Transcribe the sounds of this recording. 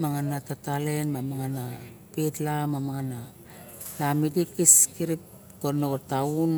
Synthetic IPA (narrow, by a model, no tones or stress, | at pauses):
maŋanatatalenmamaŋanapetlamamaŋana | lamidikiskiɾip | konootaun